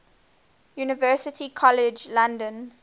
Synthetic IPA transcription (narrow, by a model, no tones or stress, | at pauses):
juːnɪvɜːˑsɪtʰikʰɔlɪd͡ʒlãndə̃n